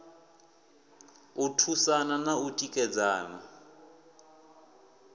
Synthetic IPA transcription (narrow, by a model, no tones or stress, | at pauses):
utʰusananautʼikʼɛd͡zaːna̰